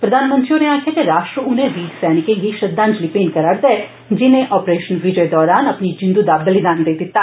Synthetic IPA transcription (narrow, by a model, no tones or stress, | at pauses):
pɾəd̪aːnmə̃nt̪ɾioneaːkʰjaːkeɾaːʃʈɾəʊnẽʋiːɡsɛːnɪkẽɡiʃɐd̪ãːnd͡ʒlipeːnkəɾaːɾd̪ɛɛ | d͡ʒɪnẽʔɔːpɾeːʃənʋɪd͡ʒəd̪ɔːɾaːnɐpnid͡ʒɪ̃nd̪ud̪abɐlɪd̪aːnd̪eːd̪ɪt̪ːa